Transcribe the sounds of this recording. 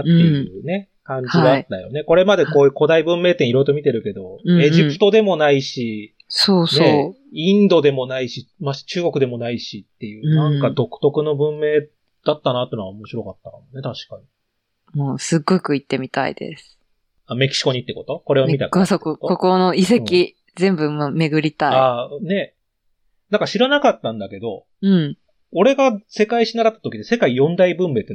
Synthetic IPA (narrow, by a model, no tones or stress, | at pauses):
ejɯːne̞ | kãɲ̟d͡ʑiaaat̪ːajo̞̰ne̞ko̞ɾe̞mad̪e̞ko̞ːjɯko̞d̪aibɯ̟̃mːe̞ːt̪ẽiɾo̞it̪o̞mʲit̪e̞ɾɯ̟ke̞d̪o̞e̞ʑipɯ̟̥t̪o̞d̪e̞mo̞naiɕi | soːsne | ĩnd̪o̞d̪e̞mo̞naiɕimaɕt͡ɕɨːɡo̞kɯ̟d̪e̞mo̞naiɕit̪ːe̞jɯ̟ːnãŋkkad̪o̞kɯ̟̥t̪o̞kɯ̟no̞bɯ̟̃mːe̞ː | d̪̥at̪ːanat̪ːenoɡaomo̞ɕiɾo̞kat̪ːakamone̞t̪aɕi̥kaɲ̟i | moːsɨɡːo̞kɯ̟it̪ːe̞mʲit̪a̰ḭd̪e̞̰sɨ̥ | ame̞kʲi̥ɕi̥ko̞ɲit̪ːe̞ko̞t̪o̞ko̞ɾeommit̪aksokokokono̞isekʲi | zẽ̞mbɯ̟mame̞ɡɯ̟ɾʲit̪aaiane̞ | nãŋkaɕiɾanakat̪ːãnd̪ake̞d̪o̞ | ɯ̟̃ɴ | o̞ɾe̞ɡase̞kaiɕinaɾat̪ːat̪okʲid̪ese̞kaijõ̞nd̪aibɯ̟̃mːe̞ːt̪ːe